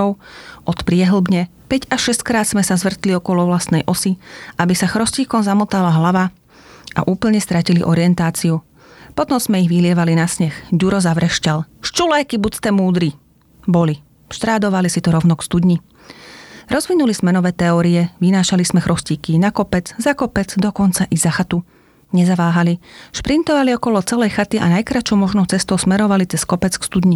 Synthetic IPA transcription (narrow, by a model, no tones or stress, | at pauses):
ɔʊʔɔt̪pɾɪɛɦl̩bɲɛ | pɛɟaʃɛsckɾaːt̪smɛsazʋr̩t̪liɔkɔlɔʋlast̪nɛjʔɔsiʔabisaxɾɔsciːkɔmzamɔt̪alaɦlaʋa | ʔa̰ʔuːpl̩ɲɛst̪ɾaciliʔɔ̰ɾiɛnt̪aːt͡siu | pɔt̪ɔmz̥mɛiɣʋilɪɛʋalinasɲɛxɟuɾɔzaʋɾɛʃcalʃt͡ʃulɛːkibust̪ɛmuːd̪ɾi | bɔli | ʃt̪ɾaːd̪ɔʋalisit̪ɔɾɔʊnɔkst̪ud̪ɲi | ɾɔzʋinulizmɛnɔʋɛːt̪ɛɔːɾiɛʋinaːʃalizmɛxɾɔsciːkinakɔpɛd͡zzakɔpɛd͡zd̪ɔkɔnt͡saʔizaxat̪u | ɲɛzaʋaːɦaliʃpɾint̪ɔʋaliɔkɔlɔt͡sɛlɛjxat̪iʔa̰najkɾat͡ʃɔʊmɔʒnɔʊt͡sɛst̪ɔʊsmɛɾɔʋalit͡sɛskɔpɛt͡skst̪ud̪ɲi